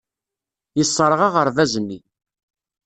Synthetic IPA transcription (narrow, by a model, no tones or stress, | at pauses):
jəsˤːəɾˤʁɑʁəɾvæzənːi